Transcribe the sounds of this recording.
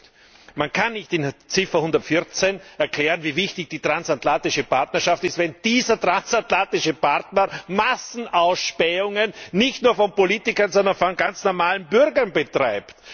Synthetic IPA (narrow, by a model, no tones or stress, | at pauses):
mankʰanːɪçtɪnt͡sɪfɐhʊndɐtfɪɐt͡senɛɐklɛːʁənviːvɪçtɪçd̥iːtʁ̥ansatlantɪʃəpʰaɐtnɐʃaftɪstvɛnd̥iːzɐtʁ̥ansatlantɪʃəpaʁtnɐmasn̩ʔaʊsʃpɛʊŋənːɪçtnuːɐfɔnpoliːtɪkɐnzɔndɐnfɔnɡant͡snɔɐmaːlənbʏʁɡɐnbətʁ̥aɪpt